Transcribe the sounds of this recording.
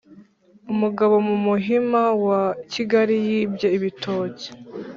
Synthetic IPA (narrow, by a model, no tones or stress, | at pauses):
umuɡaβo̞mumuɦimawaciɡaɾijiːbje̞iβitʰo̞ːce̥